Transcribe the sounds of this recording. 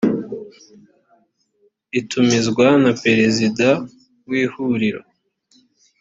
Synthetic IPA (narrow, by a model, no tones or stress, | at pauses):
itʰumizɡwanape̞ɾe̞zida | wiːhuɾiɾo̰